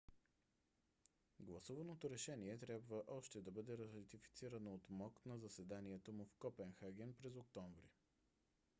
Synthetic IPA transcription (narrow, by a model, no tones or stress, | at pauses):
ɡlˠɐsuvɐnot̪oɾɛʃɛniɛt̪ɾʲabvəʔɔʃt̪ɛd̪ɐbɤd̪ɛɾɐt̪ifi̥t̪siɾənoot̪mɔknɐzɐsɛd̪aniɛt̪omʊfkɔpɛnxaɡʲɛnpɾɛzok̚t̪ɔɱvɾḭ